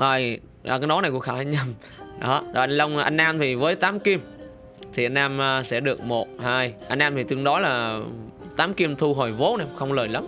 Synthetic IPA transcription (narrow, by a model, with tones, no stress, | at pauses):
ʔəː˧˩jː | kaː˨˦jnɔ˨˦na˨˩jku˧˩xaː˧˩a˧nɲə˧˩m | ɗɔ̰˨˦ɗŋlə˧wŋ͡mʔa̰˧jŋ̟ʔaː˧mt̪ʰi˨˩vəː˨˦jt̪aː˨˦mki˧m | t̪ʰi˨˩ʔa˧jn̟ʔaː˧mː˧sɛ̰˧˥˩ɗɨ˨˩ək̚mo˨˩t̚haː˧jʔa˧jŋ̟ʔaː˧mt̪ʰi˨˩t̪ɨ˧˩əŋɗɔ˨˦laː˨˩ | t̪aː˨˦mki˧əmt̪ʰu˧ɦɔ˨˩jvo˨˦na˧mxə˧wŋ͡mləː˨˩jla˨˦m